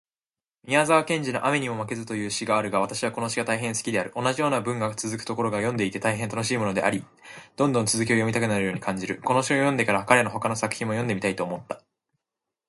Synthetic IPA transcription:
mʲiazaβːkẽ̞ɲ̟d͡ʑino̞ʔame̞ɲ̟imo̞make̞zɨt̪o̞jɯ̟ːɕiɡaːɾɯ̟ɡaβat̪aɕiβako̞no̞ɕiɡat̪aiɦẽ̞ñsɨ̥kʲid̪e̞aɾɯ̟ʔo̞naʑijo̞ːnabɯ̟̃ŋɡat͡sɨzɨkɯ̟̥t̪o̞ko̞ɾo̞ɡajõ̞nd̪e̞it̪e̞t̪aiɦent̪ano̞ɕiːmo̞no̞d̪e̞̰ʔaɾʲi | d̪̥õ̞nd̪õnt͡sɨzɨk̬ʲio̞jo̞mit̪akɯ̟naɾɯ̟jo̞ːɲikʰãɲ̟d͡ʑiɾɯ̟ko̞no̞ɕiojõ̞nd̪e̞kaɾakaɾe̞no̞ɦo̞kano̞sakɯ̟̥çĩmːojõnd̪emit̪ait̪o̞ːmo̞t̪ːḁ

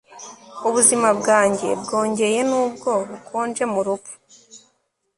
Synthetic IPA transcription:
uβuzimabɡaːɲɟe̞̰bɡo̞ːɲɟe̞je̞nuːb̚ɡo̞βukʰoːnd͡ʒe̞muɾupu̥

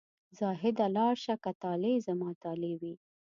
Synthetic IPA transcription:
zɑɦɪd̪alɑɾʃakat̪ɑlezamɑːt̪ɑlewi

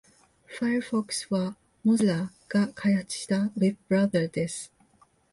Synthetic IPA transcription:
fajəɾfoksβa | mozla | ɡ̥akʰajhat͡sɨ̥ɕi̥t̪awið̚b̥ɾaðəd̪es

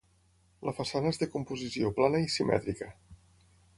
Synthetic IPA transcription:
ləfəsanəezðekumpuzisioplanəisimɛ̰t̪ɾikə

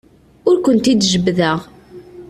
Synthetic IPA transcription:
ʊɾkʷənt̪id̪ʒəbːðəʁ

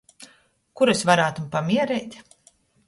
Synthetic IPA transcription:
kuɾesvaɾaːt̪umpamʲiɛɾɛːt̪ʲ

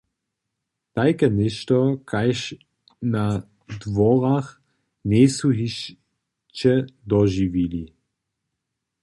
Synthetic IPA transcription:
t̪ajkɛnɛʃtɔkʰajʃ | na | d̪vɔʁax | nesuɦiʃ | t͡ʃɛd̪ɔʒivili

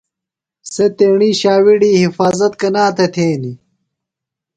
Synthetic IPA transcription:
set̪eːɳiːɕaːwiɽiːhifaːzɐt̪̚kɐnaːt̪ʰet̪ʰeːni

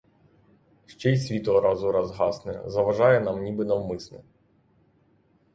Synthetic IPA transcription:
ʂt͡ʃɛjsʲvʲit̪ʊɐɾazʊɾɐzɦasnɨɛ̰zɐʋɐʐajɛnamnʲibɨnɐʋmɨsnɨ̰

